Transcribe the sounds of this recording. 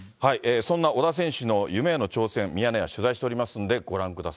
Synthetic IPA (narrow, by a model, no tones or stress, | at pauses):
haiʔeːsõ̞nːaʔo̞d̪as̬ẽ̞ɰ̃ɕɨno̞jɯ̟me̞ːno̞t͡ɕo̞ːsẽ̞mmʲijaneja̰ɕɨzaiɕi̥t̪eoɾʲimasɨnod̪e̞ɡo̞ɾãŋkɯ̟d̪asa